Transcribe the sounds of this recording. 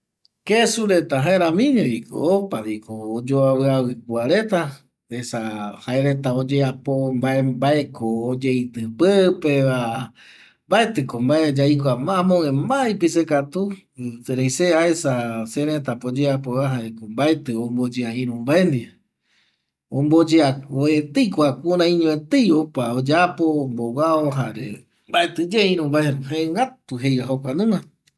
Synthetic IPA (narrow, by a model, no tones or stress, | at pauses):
kesuɾe̞t̪aɦaeɾãmĩɲeiko̰opaɾikoːd͡ʒoawɨawɨk̚waɾe̞t̪a | esahaeɾet̪aod͡ʒeapombaebaekʰoːd͡ʒeit̪ɨpɨpeβa | mbaet̪ɨkombaed͡ʒajkʷamãmõẽmbajpisekat̪u | seɾejseaesaseɾet̪apod͡ʒeapoβaɦaɾekombaet̪ɨombod͡ʒeaĩɾũmbaend̪ia | õmbod͡ʒeaoet̪ejkʷakũɾãĩɲõet̪ejopaod͡ʒapombowaoɦaɾḛ | mbaet̪ɨd͡ʒeaĩɾũmbaeɾhaeŋɡat̪uɦejɾaɦokʷanũã